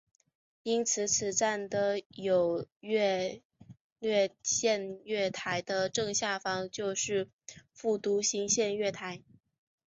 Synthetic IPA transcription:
i˥nt͡sʰɹ̩˧˥t͡sʰɹ̩˨˩t͡sa˥˩nd̪ə˩jo˨˩ʊɥɛ˥˧ | lɥɛ˥˧ɕjɛ˥˧nɥɛ˥˩t̪ʰa˧˥ɪd̪ə˧ʈ͡ʂɤ˥˧ŋɕja˥˩fɑ˧˥ŋt͡ɕjo˥˧ʊʂɻ̩˥˧ | fu˥˩t̪u˧˥ɕi˧˥ŋɕjɛ˥˧nɥɛ˥˩t̪ʰa˧˥ɪ

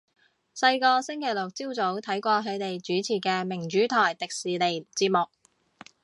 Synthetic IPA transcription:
sɐ˧jkɔː˧sɪ˥ŋkʰe˨˩jlʊ˨˩k̚t͡siː˥wt͡so˨˥wt̪ʰɐ˨˥jkʷɔː˧kʰɵ˨˧t̪e˨jt͡ʃyː˨˥t͡sʰiː˨˩kɛː˧mɪ˨˩ŋt͡ʃyː˨˥t̪ʰɔː˨˩jt̪ɪ˨k̚siː˨˩le˨jt͡siː˧t̚mʊ˨k̚

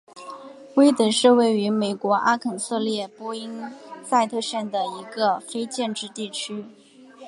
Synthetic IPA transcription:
we˥ɪt̪ə˨˩ʂɻ̩˥˧we˥˩ɪy˧˥me˨˩ɪkwɔ˧˥ʔa˥kʰə˨˩nsɤ˥˧ljɛ˥˩pwɔ˥i˥ŋsa˥˧ɪt̪ʰɤ˥˧ɕɥɛ˥˩nd̪ə˩i˧˥ɡə˧fe˥ɪt͡ɕjɛ˥˧nʈ͡ʂɻ̩˥˧t̪i˥˩t͡ɕʰy˥

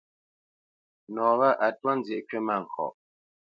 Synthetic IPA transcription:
nɔ˨βa˦ʔa˨twɔ˦n̩˦d͡zje˨ʔkɥe˦ma˦˨ŋ̩˨kʰɔ̰˨ʔ

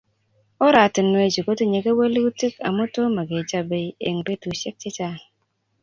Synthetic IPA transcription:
o˦ɾa˨ti˨nwe˨d͡ʒi˨ko˦ti˦ɲe˨ɡe˦we˦li˦u˦ti˦ka̰˨mu˦to˦ma˨ɡe˨d͡ʒa˦be˨˦ḛ˨ŋbe˦tu˨ʃe˦k̚t͡ʃe˦t͡ʃa˦˨

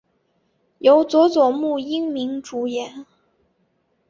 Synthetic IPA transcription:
jo˧˥ʊt͡swɔ˧˥t͡swɔ˨˩mu˥˩i˥ŋmi˧˥ŋʈ͡ʂu˨˩jɛ˧˥n

